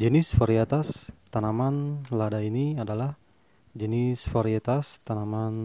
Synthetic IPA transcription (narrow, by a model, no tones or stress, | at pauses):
d͡ʒənɪsfoɾiat̪ast̪anamanladainiadalah | d͡ʒənɪsfoɾiet̪ast̪anaman